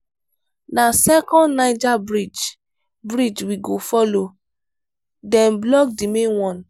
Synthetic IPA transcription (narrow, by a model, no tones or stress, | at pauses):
nasɛkɔ̃ndnaɪd͡ʒabɾid͡ʒ | bɹid͡ʒwiɡofɔlo | dɛ̃mblɔk̚dimẽnwɔ̃n